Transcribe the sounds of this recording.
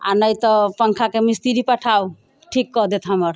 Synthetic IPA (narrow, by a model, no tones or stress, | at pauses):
a̰nəjt̪ɔpəŋkʰakemist̪iɾipaʈʰaw | ʈʰikːɔd̪et̪ʰɦamɔɾ